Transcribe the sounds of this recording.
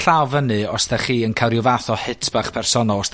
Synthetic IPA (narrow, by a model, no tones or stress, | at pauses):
ɬawvənɨɔsdɛχiːənkʰawɾjʊvaθɔhɪtʰb̥aχpʰɛrsɔnɔs